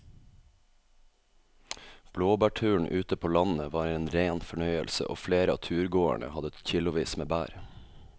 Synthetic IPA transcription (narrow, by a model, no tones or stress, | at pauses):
b̥loːbæːʈʰʉːɳ̩ʔʉːt̪əpʰoːlɑnəʋɑːɾeːnɾeːnfɔɳœʏəlsə̰ʔo̰ːfleːɾəɑ̰ːt̪ʰʉːɾɡoːæ̰ɳə̰hɑd̪əc͡çɪlʊʋiːsmeːbæ̰ːɾ